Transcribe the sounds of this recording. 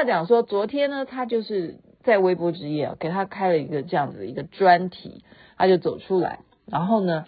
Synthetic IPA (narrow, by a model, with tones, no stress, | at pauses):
a˥˩t͡ɕjɑ˨˩ŋʂwɔ˥t͡swɔ˧˥t̪ʰjɛ˥nə˧t̪ʰa˥t͡ɕjo˥˧ʊʂɻ̩˥˩ | t͡sa˥˩ɪwe˥ɪpwɔ˥ʈ͡ʂɻ̩˥jɛ̰˥˩ke˨˩ɪt̪ʰa˥kʰa˥ɪlə˨˩i˧˥ɡə˧ʈ͡ʂɤ˥˧jɑ˥˩ŋd͡zɹ̩˨˩i˧˥ɡə˧ʈ͡ʂwa˥nt̪ʰḭ˨˩˦t̪ʰa˥t͡ɕjo˥˩ʊt͡so˨˩ʊʈ͡ʂʰu˥la̰˧˥ɪ | ɻa˧˥nxo˥˩ʊnə˩